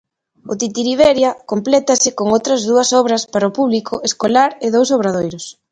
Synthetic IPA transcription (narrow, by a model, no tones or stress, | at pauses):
ʊt̪it̪iɾiβɛɾjɐkomplɛt̪ɐsɪkoŋowt̪ɾɐzðuɐsɔβɾɐspaɾaopuβlikʰʊʔeskolaɾɪðowsoβ̞ɾaðojɾʊs